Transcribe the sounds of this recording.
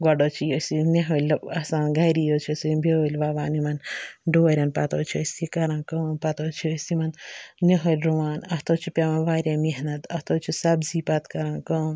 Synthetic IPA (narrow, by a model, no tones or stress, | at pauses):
ɡɐɖoːt͡ʃʰijosineɦolʲɐpɐsaːnɡɐɾijoːt͡ʃʰosimbʱelʲʋaʋaːnimɐnɖoːɾʲɐnpɐt̪oːt͡ʃʰosikɐɾãːnkoːmpɐt̪oːt͡ʃʰiosimɐnːeɦolʲɾuʋaːnɐht̪oːt͡ʃʰipʲamɐnʋaːɾʲamiɦnɐt̪ɐht̪oːt͡ʃʰusɐbzipɐt̪kɐɾãnkoːm